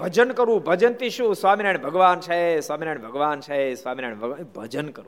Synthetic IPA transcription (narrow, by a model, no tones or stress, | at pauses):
bʱəd͡ʒənkəɾũbʱəd͡ʒənt̪iʃũsʋaminaɳbʱəɡʋant͡ʃʰaɦesʋaminajɳbʱəɡʋant͡ʃʰaesʋaminaɳbʱəɡbʱəd͡ʒənkəɾũ